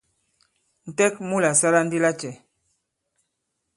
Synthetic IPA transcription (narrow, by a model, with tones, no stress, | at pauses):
n̩˨tɛ˦k̚mu˦la˨sa˦la˦n̩˦di˦la˦t͡ʃɛ˨